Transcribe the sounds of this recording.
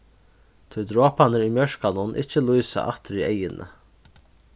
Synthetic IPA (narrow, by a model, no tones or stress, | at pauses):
t̪ʰujd̪ɾoːpanɪɾujmjœʂkanʊnʔɪ̰t͡ʃːɪlujsa̰ʔa̰ht̪ɪɾiejɪnʔə̰